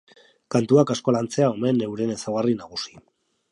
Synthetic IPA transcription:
kant̪uakasko̞lant͡se̞ao̞me̞nːe̞wɾe̞nesawɣarinaɣusi̥

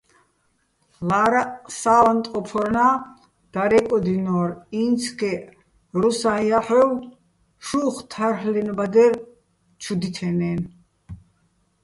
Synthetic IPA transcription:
laɾasaːlant̪ʼɔpʰɔɾna | d̪̥aɾɛkʼɔd̪inɔɾint͡sʰkʰɛ | ɾusaiaħɛw | ʃuχt̪ʰaɾhlɛnbad̪ɛɾ | t͡ʃʰud̪it̪ʰɛnɛn

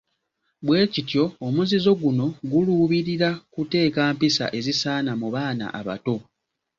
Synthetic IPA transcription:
bwe̞ːcitjo̞ːmuzizo̞ɡuno̞ɡuluːβiɾiɾakute̞ːkaːmpisa̰ʔe̞zisaːnamuβaːna̰ʔaβa̰to̞

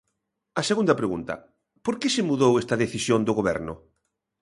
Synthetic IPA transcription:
ɐseɣund̪ɐpɾeɣṵnt̪ɐ̰ | poɾkesemuðowest̪ɐðeθisjond̪ʊɣoβɛɾnʊ

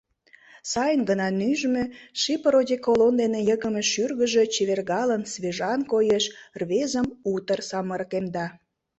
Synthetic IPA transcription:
sɑjənɡənɑnyʒmøʃipəɾodʲekolond̪enejəɣəmeʃyrɣəʒe̽t͡ɕeβerɣɑlənsβeʒɑnkojeʃrβezəmut̪ərsɑməɾkemd̪ɑ

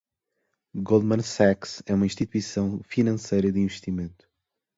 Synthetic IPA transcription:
ɡolˠmɐ̃nsɛksɛumɐĩʃt̪it̪wisɐ̃w̃finɐ̃sejɾɐd̪ɨĩvɨʃt̪imẽnt̪u̥

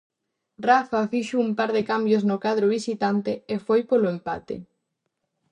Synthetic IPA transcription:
rafafiʃoumpaɾðekambjoznʊkað̞ɾoβisit̪ant̪eefojpoloempa̰t̪ḛ

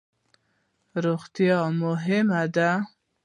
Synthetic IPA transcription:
ɾoɣt̪jɑmʊɦɪmad̪a

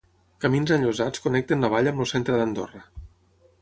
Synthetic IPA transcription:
kəminzəʎuzat͡skunɛk̚t̪ənləβ̞aʎəmlusent̪ɾəðənd̪o̰rə

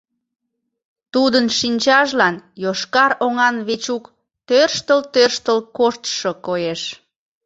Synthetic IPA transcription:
t̪ud̪ənʃinʲt͡ɕɑʒlɑnjoʃkɑɾoŋɑnβet͡ɕuk | t̪ørʃt̪əlt̪ørʃt̪əlkoʃt̪ʃokojeʃ

